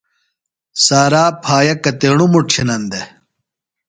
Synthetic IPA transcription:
saːɾaːpʰaːjɐkɐt̪eːɳumuʈʰinɐnd̪e

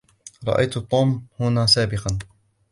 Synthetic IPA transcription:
ɾˤɑ̰ʔa̰jt̪t̪ˤːuːmhʊnaːsaːbɪqɑn

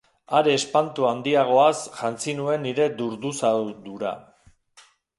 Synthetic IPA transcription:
aɾe̞ːspant̪uand̪iaɣ̞o̞asʝant͡sinue̞niɾe̞d̪uɾd̪usad̪uɾa̰

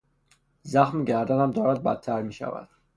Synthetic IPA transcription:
zæxmɟæɾd̪ænæmd̪ɒːɾæd̪̚bæ̰t̪ʰːæɾmiːʃæ̰væ̰d̪̥

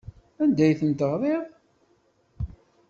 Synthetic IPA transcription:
ænd̪æjθənt̪əʁðˤeʁ

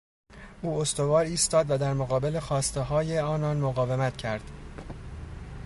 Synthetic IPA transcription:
ʔuːost̪o̞vɒːɾiːst̪ɒːd̪væd̪æɾmoɣɒːbe̞le̞xɒːst̪e̞ɦɒːje̞ɒːnɒːnmoɣɒːve̞mæt̪cʰæɾd̪̥

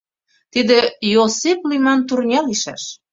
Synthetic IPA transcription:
t̪id̪ejosiplimɑnt̪urnʲɑliʃæ̰ʃ

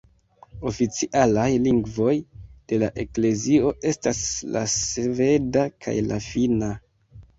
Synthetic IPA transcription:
o̞fit͡siʔalajliŋɡvo̞jd̥e̞laʔe̞kle̞zio̞e̞stasla̰sve̞dakʰa̰jla̰fina

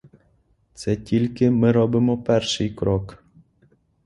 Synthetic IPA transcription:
t̪sɛtʲilʲkɪmɪɾɔbɪmɔpɛrʃɪjkɾɔk

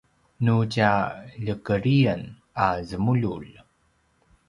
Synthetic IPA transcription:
nucaʎəkəɾiən | azəmuʎul

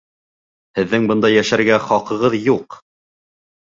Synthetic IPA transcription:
hɘ̆ðːɘŋbɤnd̪ɑjæʃæɾɡæχɑqɤ̆ʁɤðjuq

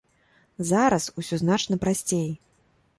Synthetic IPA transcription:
zaɾɐsusʲɔznat͡ʂnɐpɾasʲt͡sʲej

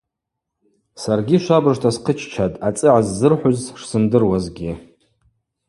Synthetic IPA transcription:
sarɡʲiʃʷabɨʐtʰasqʰət͡ʃʰt͡ʃʰatʼat͡sʼɨʕazːɨrħʷʊzʂsɨndɨrwazɡʲi

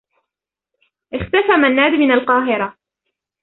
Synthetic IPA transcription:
ʔɪxt̪afamanːaːd̪mɪnalqɑːɦɪɾˤa

